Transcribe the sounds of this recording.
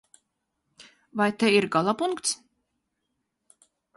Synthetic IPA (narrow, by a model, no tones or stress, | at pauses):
vajt̪ɛiɾɡalˠapuŋkt̪s